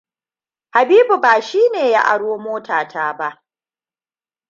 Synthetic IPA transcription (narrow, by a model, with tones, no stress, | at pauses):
ha˨biː˦bu˨baː˨ʃiː˦neː˨ja̰˦ʔa̰˨ɽoː˦moː˦tʰaː˨tʰaː˦ba˦ʔ